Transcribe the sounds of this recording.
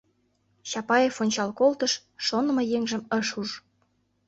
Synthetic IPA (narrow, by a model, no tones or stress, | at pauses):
ɕɑpɑjefonʲt͡ɕɑlkolt̪əʃː | onə̆mɤjeŋʒə̆məʃuʒ